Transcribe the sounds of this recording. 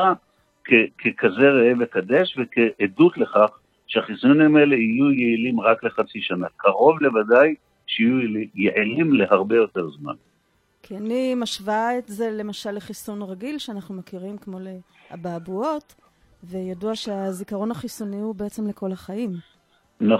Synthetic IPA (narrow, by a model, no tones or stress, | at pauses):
a | kʰekʰekʰaze̞ʁeevekad̪eʃvekeʔedut̪leχaχ | ʃeaχisunimaelehijujeilimʁakle̞χat͡siʃanakaʁo̞vle̞vadaj | ʃeijujeʕilimle̞haʁbe̞jo̞te̞ʁzma̰n | kʰianimaʃvaetze̞le̞maʃalːeχisunʁaɡilʃeanaχnumakiʁimkmo̞le | a̰baːbuo̞t | vejaduaʃeazikaʁo̞naχisuniubeet͡semleko̞laχaim | n